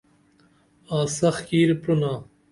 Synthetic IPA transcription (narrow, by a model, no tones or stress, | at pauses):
aːsɐxkiːɾpɾunaː